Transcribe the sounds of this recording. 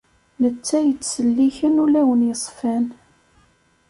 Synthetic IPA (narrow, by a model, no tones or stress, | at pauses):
nət͡sːæjət͡sːsəlːiçənulæwənjəsˤfæn